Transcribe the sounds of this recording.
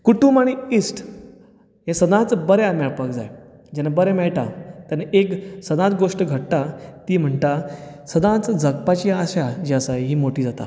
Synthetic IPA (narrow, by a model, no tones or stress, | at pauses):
kuʈumaɽ̃iisʈ | ɦesəd̪ãt͡sbəɾjamɛɭpək̚d͡za̰j | d͡ʑɛnabəɾamɛɭʈ̪a̰t̪aneʔeksəd̪ãt͡sɡoʂʈəɡʱəʈt̪at̪iːm̤əɳt̪asəd̪ãt͡sd͡zʱək̚pat͡ɕiːaɕad͡ʑiəsaɦiːmoʈiːd͡zat̪a̰